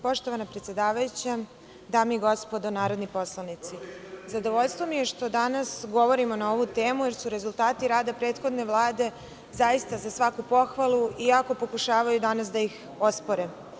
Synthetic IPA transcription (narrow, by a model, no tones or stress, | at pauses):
po̞ʃt̪o̞ʋanapɾet̪sje̞d̪aːʋajut͡ɕa | d̪aːmiɡo̞spo̞d̪onaːɾo̞d̪nipo̞slˠanit̪sizad̪oʋoʎst̪ʋo̞mije̞ʃt̪o̞d̪anasɡo̞ʋo̞ɾimo̞nao̞ʋut̪e̞ːmuje̞ɾsuɾe̞zulˠt̪aːt̪iɾaːd̪apɾe̞ːd̪xo̞d̪ne̞ʋlˠaːd̪e̞ | zajist̪azasʋakupo̞xʋalˠuiako̞po̞kuʃaːʋajud̪anas̬d̪aix | o̞spoɾe